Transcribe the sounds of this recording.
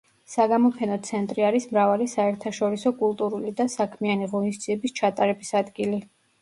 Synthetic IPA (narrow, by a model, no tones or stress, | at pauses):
saɡamɔpʰɛnɔt̪sʰɛnt̪ʼɾiaɾismɾavalisaɛɾt̪ʰaʃɔɾisɔkʼulˠt̪ʼuɾulid̪asakʰmianiʁɔnistd̪z̥iɛbist͡ʃʰat̪ʼaɾɛbisad̪ɡili